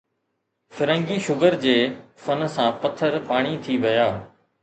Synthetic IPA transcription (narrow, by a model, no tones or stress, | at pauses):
fɪɾə̃ŋɡiːʃʊɡəɾd͡ʑeː | fɐnsãːpɐt̪ʰəɾpaːɽ̃it̪ʰiʋɐjaː